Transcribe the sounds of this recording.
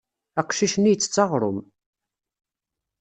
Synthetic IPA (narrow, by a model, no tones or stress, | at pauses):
æqʃiʃnijət͡sːə̥t͡sːɑʁɾˤʊ̰m